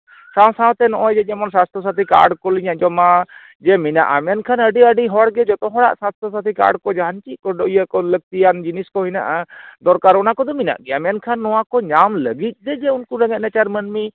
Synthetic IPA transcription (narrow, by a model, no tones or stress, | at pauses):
sãw̃sãw̃t̪ɛnɔʔɔd͡ʒɛd͡ʒɛmɔnsast̪ʰɔs̬at̪ʰika̰ʔɽkɔliɲaʔd͡ʒɔma | d͡ʒɛmina̰ʔamɛjankʰanəɖiəɖiɦɔɽɡɛd͡ʒɔt̪ɔɦɔɽa̰ʔsast̪ɔsat̪ʰika̰ʔa̰ɽkɔd͡ʒaɦant͡ʃit̪̚ˀkɔɖɔijəkɔlək̚t̪ijand͡ʒiniskɔɦina̰ʔad̪ɔɾkaɾɔnakɔd̪ɔmina̰ʔɡɛamɛankʰanːɔwakɔɲamləɡit̪̚ˀd̪ɛd͡ʒɛunkuɾəŋɛt̪̚nɛt͡ʃaɾmənmi